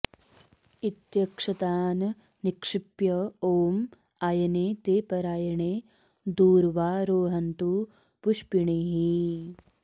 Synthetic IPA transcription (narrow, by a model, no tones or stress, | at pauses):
it̪jɐkʂɐt̪aːnɐː | ikʂipjɐoːm | aːjɐneːt̪eːpɐɾaːjɐɳeː | d̪uːɾʋaːɾoːɦɐnt̪u | puʃpiɳiɦi